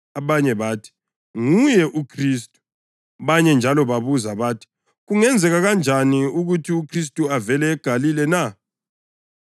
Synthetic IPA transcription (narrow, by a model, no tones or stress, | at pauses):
aβaɲɛβatʰi̥ | ŋujɛʔukʰristʼu̥ | βaɲɛnd͡ʒʱalɔβaβuzaβatʰi̥ | ɣuŋɛnd͡zʱɛɣaɣand͡ʒʱaniuɣutʰiukʰris̬tʼuavɛlɛːɡ̥ʱalilɛna